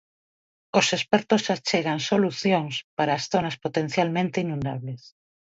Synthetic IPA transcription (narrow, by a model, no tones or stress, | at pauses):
osespɛɾt̪osat͡ʃeɣaŋsoluθjoŋspaɾaːsθonaspot̪en̟θjalmẽnt̪einũnd̪a̰βles